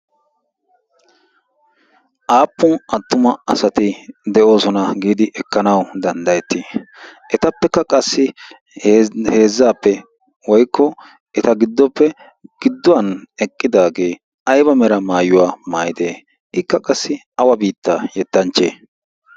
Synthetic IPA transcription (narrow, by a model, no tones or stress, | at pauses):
ʔaːpːʊnʔɐt̪ːʊmɐɐsɐt̪ɪd̪ɛʔo̞ːsɔnɐɡiːd̪ɪʔɛkːɐnɐwd̪ɐnd̪ɐjɛt̪ːɪʔɛt̪ɐpːɛkːɐkʼɐsːɪ | hhe̞ːzːaːpːɛ | wɔjkːɔ | ʔɛt̪ɐɡɪd̪ːɔpːɛ | ɡ̥ɪd̪ːɔwɐnɛkʼːɪd̪aːɡe̞ː | ʔɐjbɐmɛɾɐmaːjʊwaːmaːjɪd̪eː | ʔɪkːɐkʼɐsːɪ | ɐwɐbiːt̪ːaːjɛt̪ːɐnt͡ʃːeː